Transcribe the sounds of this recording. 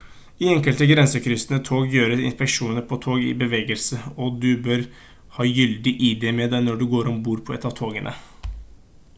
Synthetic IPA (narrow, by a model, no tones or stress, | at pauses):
iɛŋkəlt̪əɡɾɛnsəkʰɾʏsənət̪ʰoːɡjøːɾəɾɪ̰nspɛkʂuːnəɾpʰɔt̪ʰoːɡɪ̰bəʋeːɡəlsəɔd̪ʉbøːɾ | hɑːjʏld̪ɪʔɪd̪ɛmɛd̪æɪnɔɖʉɡoːɾɔmbuːɾpʰɔɛt̪ːɑʋt̪ʰoːɡənʔə̰